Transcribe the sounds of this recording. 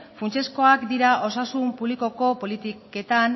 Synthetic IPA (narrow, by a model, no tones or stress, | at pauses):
funt͡ʃe̞sko̞akd̪iɾaʔo̞sasumpuβliko̞ko̞po̞lit̪ike̞t̪an